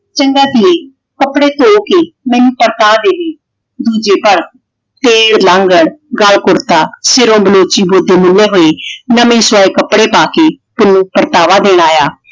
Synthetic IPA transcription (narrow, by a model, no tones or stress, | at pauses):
t͡ʃəŋɡaːt̪ɪeː | kəpɽeːt̪oːkeːmɛ̃ːnũːpəɾt̪aːd̪eːleː | d̪uːd͡ʒeːpəɾ | t̪eːɽlãːŋɡəɽɡəlkʊɾt̪aːsɪɾõːbəloːt͡ʃiːboːd̪eːmʊnːeːɦoːeːnəmẽːswaːeːkəpɽeːpaːkeː | pʊnũːpəɾt̪aːʋaːd̪eːɽ̃aːjaː